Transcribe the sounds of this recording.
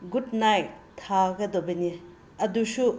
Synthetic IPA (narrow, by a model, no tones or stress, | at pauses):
ɡud̚najtʰaɡɐd̪obenie | ɐdusu